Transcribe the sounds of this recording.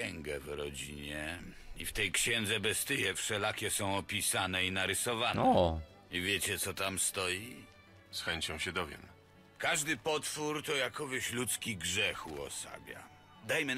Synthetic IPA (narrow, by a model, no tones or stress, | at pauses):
ɛŋɡɛvɾɔd͡ʑiɲɛḭft̪ɛjkɕɛnd̪zɛbɛst̪ɘjɛfʂɛlakʲɛsɔ̃w̃ɔpʲisanɛinaɾɘsɔvanɛ | ivʲjet͡ɕɛt̪sɔt̪amst̪ɔji | sxɛɲt͡ɕɔ̃w̃ɕɛd̪ɔvʲjɛ̰m | kaʐd̪ɘpɔt̪fuɾt̪ɔjakɔveɕlut̪skʲiɡʐɛxuɔ̰sa̰bʲja̰ | d̪ajmɘ